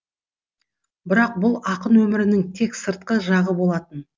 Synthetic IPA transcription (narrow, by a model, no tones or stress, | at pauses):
bɪɾɑq̚bʊlˠɑqənwɵmɪɾɪnɪŋt̪ʰe̞ksəɾt̪̚qəʒɑʁəbo̞lˠɑt̪ən